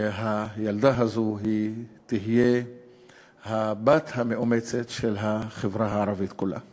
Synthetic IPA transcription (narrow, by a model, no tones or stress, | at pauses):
eɦajald̪aɦazoɦit̪iɦije | habat̪hame̞ʔome̞t͡setʃelɦaχevʁaɦaːʁavit̪kula̰